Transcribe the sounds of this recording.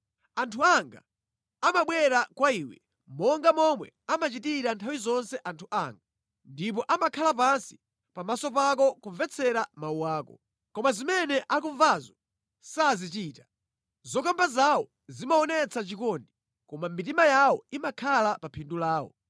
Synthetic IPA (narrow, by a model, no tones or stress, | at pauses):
antʰuaŋɡa̰ | amaɓwɛɾakwaiːwɛ̰ | mɔŋɡamɔmwɛ̰ | amat͡ʃitiɾantʰawizɔnsɛʔantʰuʔa̰ŋɡa | ndip̬ɔʔamakʰalap̬ansi̥ | pamasɔpak̬ɔkuɱvɛt͡sʰɛɾamawuwaːkɔ̰ | kɔmazimɛnɛʔakuɱvazɔ | sazit͡ʃiːtḁ | zɔkambazawɔ | zimaɔnɛt͡sʰat͡ʃikɔndi | kɔmamitimajawɔimakʰalapapʰindulaːɔ̰